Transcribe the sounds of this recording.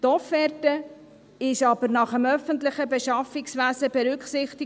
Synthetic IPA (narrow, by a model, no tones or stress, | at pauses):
tɔfɛɾtə | ɪʃɑbəɾnɑχəmœfənt̪lɪχəbɛʃɑfɪksʋæzəbɛɾʉkχsɪχt̪ɪ